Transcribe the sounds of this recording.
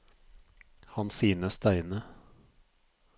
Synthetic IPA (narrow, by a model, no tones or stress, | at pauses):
hɑnsiːnəst̪æɪnə